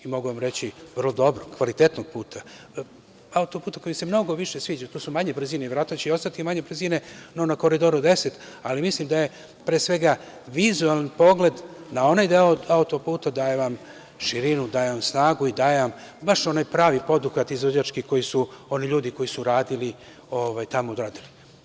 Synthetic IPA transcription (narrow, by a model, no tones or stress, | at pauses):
imo̞ɡuʋamɾe̞t͡ɕiʋərlˠod̪o̞bɾoɡkʋalit̪et̪noɡ̥̚puːt̪ʰa | aut̪opuːt̪ako̞jimse̞mno̞ɡo̞ʋiʃe̞sʋiːd͡ʑat̪uːsumaɲebr̩ziːneiʋɾat̪at͡ɕeo̞st̪at̪imaɲebr̩zine̞nonako̞ɾid̪o̞ɾud̪e̞set̪ | alimislimd̪aje̞ | pɾeːsʋe̞ɡa | ʋizualanpo̞ɡle̞d̪nao̞najd̪eoaut̪opuːt̪ad̪aːjeʋam | ʃiɾinud̪aːjeʋamsnaːɡuid̪aːjeʋambaʃo̞najpɾaːʋipo̞d̪uxat̪izʋod͡ʑat͡ʃkiko̞jisuo̞niʎuːd̪iko̞jisuɾaːd̪ili | o̞ʋajt̪amod̪ɾaːd̪ili